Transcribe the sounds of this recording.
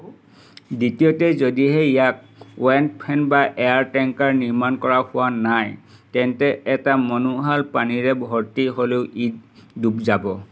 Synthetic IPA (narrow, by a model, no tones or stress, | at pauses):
ditijotɛzodiɦɛijak̚ | wɛntpʰɛnbaʔɛjaɹtɛŋkaɹniɹmankɔɹahʊwanaj | tɛntɛʔɛtamɔnuɦalpaniɹɛbʱɔɹtiɦoleʊʔid̚dubzabɔ